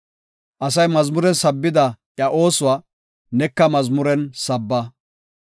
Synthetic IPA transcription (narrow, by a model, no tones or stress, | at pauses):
ʔɐs̬ɐjmɐzmʊɾɛnsɐbːɪd̪ɐʔjɐʔo̞ːsʊwaː | nɛkːɐmɐzmʊɾɛnsɐbːɐ